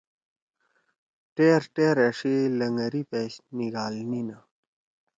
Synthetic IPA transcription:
ʈeːɾʈeːɾɐʂilɐŋɡɐɾipeːɕniɡaːlnina

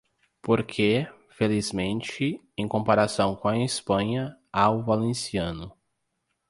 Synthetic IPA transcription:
poɾkʰe | felizmẽnt͡ʃɪ | ẽj̃kõpaɾasɐ̃w̃kõɐispɐ̃ɲɐ | awʊvalẽsiɐ̃nʊ

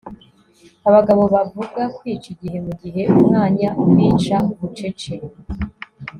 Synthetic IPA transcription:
aβaɡaβo̞βavuɡwakwiːt͡ʃiɟiɾemuɟiɦe̞ʔumŋaːɲaʔumwiːt͡ʃauβut͡ʃe̞t͡ʃeɾ

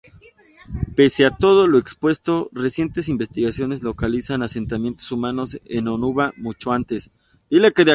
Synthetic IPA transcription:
pe̞seat̪o̞ð̞olo̞ekspwe̞st̪o̞re̞sje̞nt̪e̞simbe̞st̪iɣasjo̞ne̞zlo̞kalisanase̞nt̪amje̞nt̪o̥sumano̞senonuβamut͡ʃo̞ant̪es | d̪ilekeðea

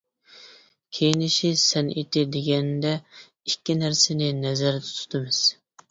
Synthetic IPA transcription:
kʲʰejinɪʃisɛnit̪ɪd̪eɡʲɛnd̪ɛ | ikʲːinæɾsɪnɪnɛzæɾd̪ɛ̥t̪ʰu̥t̪ʰɨmɪz̥

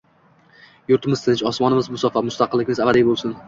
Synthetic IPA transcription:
jʊɾt̪ʰɪmɪzt̪ɪnt͡ʃɒsmɒnɪmɪzbʊsɒfamʊst̪ʰɑqɨlːɪkʲɪmɪzavad̪ɪbolˠsʊn

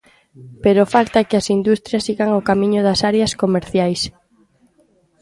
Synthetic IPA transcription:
peɾofalt̪ɐkɪɐsind̪ust̪ɾjɐsːiɣaŋokamĩɲʊðɐsaɾjɐskomeɾθjajs

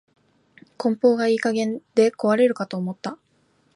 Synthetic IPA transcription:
kõ̞mpo̞ːɡaiːkaɡẽ̞nd̪̥e̞ko̞βaɾe̞ɾɯ̟kat̪o̞ːmo̞t̪ːa

